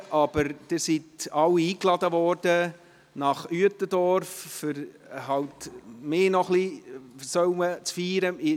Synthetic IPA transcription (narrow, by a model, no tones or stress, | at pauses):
ʔɑb̥əɾd̥ɪːsitɑwːiiːklɑd̪əvɔɾd̥ə | nɑχyətədɔɾfːʏɾ | ɦɑwtmɪːnɔχlisœwmət͡sfiːɾəɪ